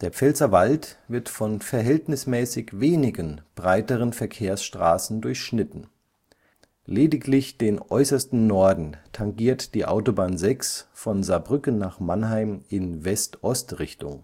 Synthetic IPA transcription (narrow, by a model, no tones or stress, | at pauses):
d̥eːɐp͡fɛlzɐvaltv̥ɪɐtfɔnfɛɐɦɛltnɪsmɛːsɪçveːnɪɡənb̥ʁaɪtəʁ̞ənfɛɐkʰeːɐsʃtʁ̥a̰ːsn̩dʊɐçʃnɪtn̩ | leːdɪklɪçd̥eːnʔɔ̰ʏsɐstn̩nɔɐdn̩tʰaŋɡiːɐtd̥iːʔa̰ʊtobaːnzɛksfɔnzabʁʏkənnaːχmanɦaɪmɪnvɛstʔɔstʁɪçtʊ̰ŋ